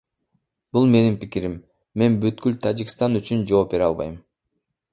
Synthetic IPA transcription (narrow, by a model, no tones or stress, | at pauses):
b̥ulˠme̞nimpikiɾimː | e̞nbyt̪kylt̪ʰad͡ʒikst̪ɑnyt͡ʃynd͡ʒo̞ːp̚be̞ɾɑlˠβɑ̰jm